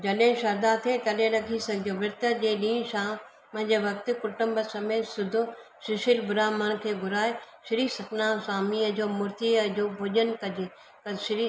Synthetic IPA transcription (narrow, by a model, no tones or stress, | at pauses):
d͡ʑɐɗɪ̃ʃɐɾd̪aːt̪ʰet̪ɐlẽɾɐɡʰʱisɐɡʱɪd͡ʑoʋɪɾt̪əd͡ʑeːɗĩːnʃãː | mɐ̃ɦɪ̃ɲd͡ʑeːʋɐk̚t̪ɪ̆kʊʈʊ̃mbəsɐmeːsʊd̪ʱʊ | ʃɪʃɪlbʊɾaːməñkʰeːɡʱʊɾaːeʃɪɾiːsɐknaːsaːmiːəd͡ʑoːmʊɾt̪iɐd͡ʑoːbʱʊʄənkɐd͡ʑe | kɐʃɪɾi